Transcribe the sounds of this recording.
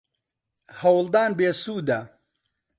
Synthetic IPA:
hɐwld̪aːnbeːsuːd̪ɐ

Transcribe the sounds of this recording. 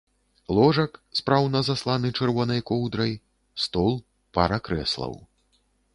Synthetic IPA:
lˠɔʐɐkspɾawnɐzaslˠanɨt͡ʂɛrvɔnɐjkɔwd̪ɾɐj | st̪ɔlˠ | pa̰ɾɐkɾɛ̰slˠɐ̰w

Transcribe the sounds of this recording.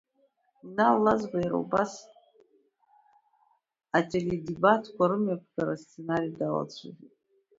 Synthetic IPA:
nalazbajiɾa̰ubas | atʰeledebatʰkʷʰaɾɨmapʷʰɡaɾast͡sʰe̞naɾijdala̰t͡sʷʰɨzitʼ

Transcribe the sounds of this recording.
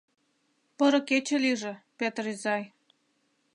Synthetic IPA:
pɤ̆ɾɤ̆ket͡ɕĕliʒĕpet̪rizɑj

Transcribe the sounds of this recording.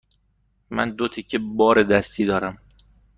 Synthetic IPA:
mæ̰nd̪ot̪ʰicʰebɒːɾed̪æst̪ʰiːd̪ɒːɾæm

